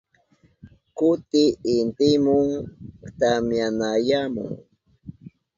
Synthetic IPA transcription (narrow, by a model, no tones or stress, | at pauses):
kʊt̪ɪɪnt̪ɪmʊŋt̪amjanajamʊ̰ŋ